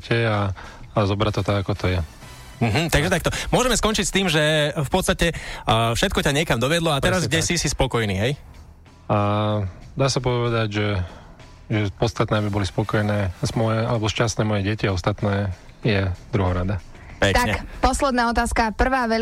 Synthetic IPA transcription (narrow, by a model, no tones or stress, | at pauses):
cʰɛaː | zɔbɾat̪ɔt̪aɡakɔt̪ɔjɛ | m̩ɦm̩t̪aɡʒɛt̪akt̪ɔmʊɔʒɛmɛskɔnt͡ʃicst̪iːmʒɛfpɔt̪st̪acɛfʃɛt̪̚kɔcaɲɪɛkamd̪ɔʋɪɛd̪lɔat̪ɛɾazɡɡɟɛsisispɔkɔjniːɦɛj | a | d̪aːsapɔʋɛd̪aɟʒɛ | ʒɛpɔt̪st̪at̪nɛːabibɔlispɔkɔjnɛːzmɔjɛalɛbɔʃcast̪nɛːmɔjɛɟɛciɔst̪at̪nɛː | jɛd̪ɾuɦɔɾad̪a | pɛkt̪aɲɛpɔslɛd̪naːɔt̪aːskapr̩ʋaːʋɛ